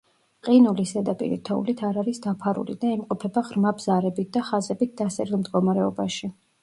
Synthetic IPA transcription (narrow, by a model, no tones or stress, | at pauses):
qʼinulisɛd̪apʼḭɾḭt̪ʰɔṵlit̪ʰaɾaɾisd̪apʰaɾṵlḭd̪aimqʼɔpʰɛbaʁɾmabz̥aɾɛbit̪̚ʰd̪aχazɛbit̪̚ʰd̪asɛɾilˠmd̪ɡɔmaɾɛɔbaʃi